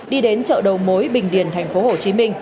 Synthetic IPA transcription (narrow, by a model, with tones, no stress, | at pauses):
ɗi˧ɗe˨˦nt͡ɕə̰ː˧˨ɗə˨˩wmo˨˦jɓï˨˩ŋ̟ɗḭ˧˩ənt̪ʰa˨˩jŋ̟fo˨˦ɦo˨˩t͡ɕi˨˦mï˧ŋ̟